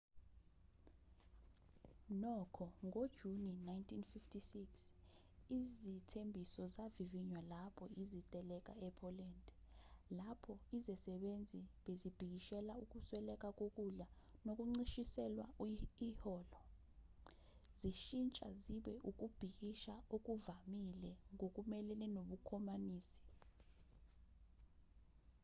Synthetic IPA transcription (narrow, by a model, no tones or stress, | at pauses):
nɔkʰɔŋod̥ʒ̥ʱuninajntʰinfiftʰisiks | izitʰembʱisɔzaviviɲwalapʰɔizitʼɛlɛk̬ʼa̰ɛpʰɔlɛndʱɛlapʰɔizɛsɛɓend͡zʱiɓezib̥ʱik̬iʃɛlauk̬ʼuswɛlɛk̬ʼak̬ʼok̬ʼuɮa | nok̬ʼuŋ͡ǀiʃisɛlwa̰ihɔːlɔ | ziʃint͡ʃʼaziɓɛʔuk̬ʼub̥ʱik̬iʃaok̬ʼuvamilɛŋok̬ʼumɛlɛnɛnoɓukʰɔmaniːsi̥